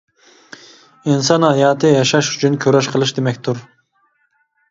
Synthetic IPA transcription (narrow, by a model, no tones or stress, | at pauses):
insɑnhɑjɑːt̪ʰɨjɑʃɑʃyt͡ʃʰynkʲʰøɾɛʃqʰəlˠɨʃd̪emɛkʲt̪ʰuɾ